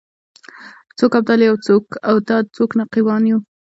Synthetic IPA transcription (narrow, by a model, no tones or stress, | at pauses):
t͡sokab̚d̪ɑljawt͡sokawt̪ɑt͡soknaqiwɑnju